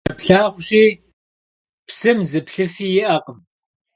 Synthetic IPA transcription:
ɐpɬaːʁʷʊɕiː | psɨmzɨpɬɨfiːjɪʔaːqəm

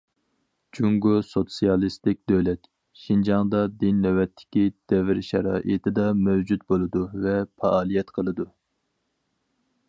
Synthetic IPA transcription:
d͡ʒuŋɡosot̪sijɑlˠɨst̪ɪk̚ʲd̪ølɛt̪ | ʃind͡ʒɑŋd̪ɑd̪inːɛwɛt̪ʰːɪ̥kʲid̪̥ɛvɪɾʃɛ̰ɾɑ̰ːʔit̪ʰɪd̪ɑmɛwd͡ʒut̪̚bolˠɨd̪uvɛpʰɑɑːlˠijɛt̪qʰəlˠɨd̪u

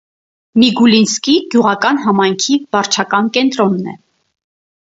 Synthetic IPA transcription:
miɡulinskiɡjuʁɑkɑnɦɑmɑjŋkʰivɑɾt͡ʃʰɑkɑnkɛnt̪ɾɔnːɛ̰

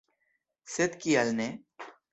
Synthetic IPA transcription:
sɪt̪kiɐlne

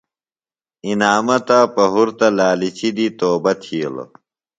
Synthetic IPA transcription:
inaːmɐt̪apɐɦuɾt̪ɐlaːlit͡ɕid̪it̪oːbɐt̪ʰiːl̰

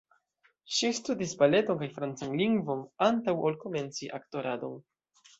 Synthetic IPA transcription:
ʃistudisbale̞to̞nkajfɾant͡sanliŋɡvo̞nantawolko̞me̞nt͡siʔakto̞ɾado̞n

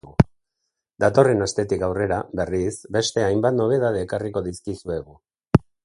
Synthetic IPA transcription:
ɣu | d̪at̪o̞re̞nast̪e̞t̪ikawre̞ɾaβe̞risbe̞st̪e̞ajmbat̪no̞β̞e̞ðað̞e̞ːkariko̞ðiskisue̞ɣ̞u

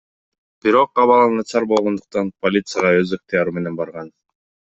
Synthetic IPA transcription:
b̥iɾo̞q̚ɑβɑlˠɑnɑt͡ʃɑɾbo̞lˠʁo̞nd̪uq̚t̪ɑnpʰolʲit̪sɨjaʁɑøzek̚t̪ijɑɾume̞ne̞nbɑɾʁɑn

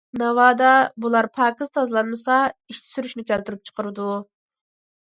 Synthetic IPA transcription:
nɑwɑːd̪ɑbulˠɑɾpʰɑːkizt̪ʰɑzlˠɑnmɨsɑiʃt̪ʰɪ̥syɾyʃnɪkʲælt̪yɾyp̚t͡ʃʰə̥qəɾɨd̪u

